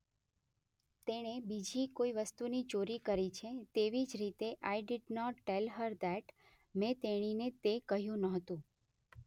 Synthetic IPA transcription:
t̪eɽ̃ebid͡ʒikoiʋəst̪unit͡ʃoɾikəɾit͡ʃʰet̪eʋid͡ʒɾit̪eʔajɖɪɖnɔʈːelɦəɾd̪æʈ | mẽt̪eɽ̃inet̪ekəɦjũnəɦət̪ũ

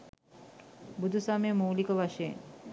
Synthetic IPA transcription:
bud̪ʱusamemuːlikəʋaʃeḛn

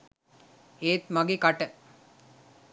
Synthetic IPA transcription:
eːt̪mɐɡekaʈə

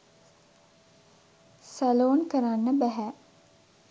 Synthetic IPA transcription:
sæloːnkəɾanːəbæɦæ

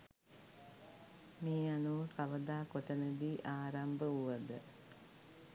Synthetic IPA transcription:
miːanuʋəkaʋəd̪aːkot̪ənəd̪iːʔaːɾambəuʋɐd̪ə

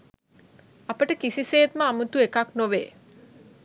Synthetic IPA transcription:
apəʈəkisiseːt̪məamut̪uekaknoʋḛː

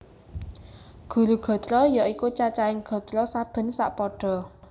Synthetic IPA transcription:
ɡ̥ṳɾuɡ̥ɔ̤t̪ɾɔjaʔikut͡ʃat͡ʃaɪŋɡ̥ɔ̤d̪ɾɔsab̥ə̤nsa̰ʔpɔɖ̥ɔ̤

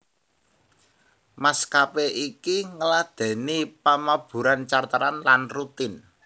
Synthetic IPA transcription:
maskapeʔikiŋəlad̪̥ɛ̤nipamab̥ṳɾant͡ʃart̪əɾanlanrut̪ɪn

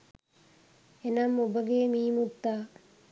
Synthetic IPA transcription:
enɐmːubəɡeːmiːmut̪ːaː

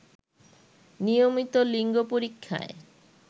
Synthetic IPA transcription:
nijomit̪oliŋɡopoɾikʰːa̰e

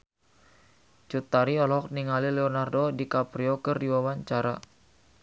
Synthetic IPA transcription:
t͡ʃut̪aɾiɔlɔɔk̚niŋalilɛɔnardodikapɾiokərdiwawaɲt͡ʃaɾa

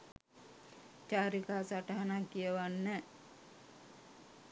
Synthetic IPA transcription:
t͡ʃaːɾikaːsaʈəɦanakːijəʋanːə

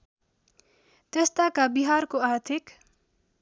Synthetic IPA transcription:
t̪est̪akabiɦaɾkoaɾt̪ʰik

